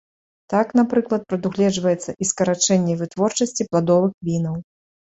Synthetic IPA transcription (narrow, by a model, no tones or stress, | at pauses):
t̪aknapɾɨklˠɐt̪̚pɾɐd̪uɣlʲɛd͡ʐvɐjɛt̪sːɐʔiskɐɾat͡ʂɛnʲːɛvɨt̪vɔrt͡ʂɐsʲt͡sʲiplˠad̪ɔvɨxvʲinɐw